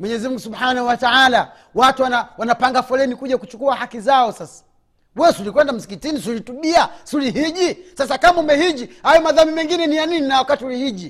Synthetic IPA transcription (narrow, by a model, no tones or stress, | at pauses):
mwɛɲɛzim̩ŋɡusubhanahuwataala | watuwanawanapaŋɡafɔlɛnikuʄakut͡ʃukuahakizaɔsasḁ | wɛsulikwɛndam̩si̥kitinisulituɓiasuliɦiʄisasakamaumbɛhiʄihajɔmaðamimɛŋɡinɛnijanininawakatiulihiʄi